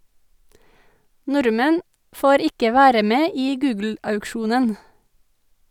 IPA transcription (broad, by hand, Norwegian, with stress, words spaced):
ˈnʊɾmɛn ˈfoːɾ ˈɪkə ˈʋæːɾə ˈmeː ˈiː ˈɡʉːɡl̩ɑʉkˌʃuːnən